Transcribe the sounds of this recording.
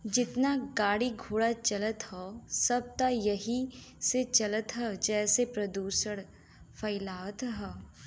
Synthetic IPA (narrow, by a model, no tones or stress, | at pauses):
d͡ʒɪt̪naɡaːɽiɡʱuːɽat͡ʃɐlət̪ɦɔːsɐb̚t̪ajɐɦiset͡ʃɐlət̪ɦɛd͡ʒɛːsepɾɐd̪uːsəɽ | fʰɐɪlaːt̪ɦɛː